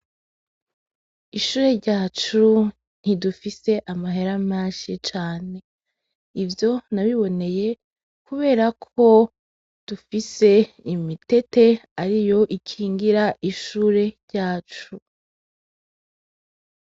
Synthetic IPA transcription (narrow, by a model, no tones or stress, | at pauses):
iʃuːɾe̞ɾɟaːt͡ʃu | n̥idufise̞ʔamaɦeɾamaːʃit͡ʃaːne̞ | ivjo̞naβiβo̞ne̞je̞ | kuβe̞ːɾakʰo̞ | d̥ufise̞ | imite̞te̞aɾijo̞ʔikʰiːŋɡiɾaʔiʃuːɾe̞ɾɟaːt͡ʃu